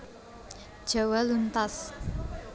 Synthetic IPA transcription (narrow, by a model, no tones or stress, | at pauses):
d̥ʒ̥a̤walunt̪as